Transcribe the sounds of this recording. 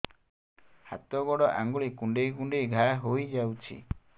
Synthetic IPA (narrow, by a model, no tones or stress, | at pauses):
ha̰t̪ɔɡɔɽɔʔa̰ŋɡuɭikuɳɖejkuɳɖejɡʱajɦojd͡ʒawt͡ʃʰḭ